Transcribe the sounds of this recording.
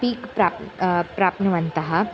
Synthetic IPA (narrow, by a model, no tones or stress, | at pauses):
piːkpɾapɾaːpnɐʋɐnt̪ɐɦɐ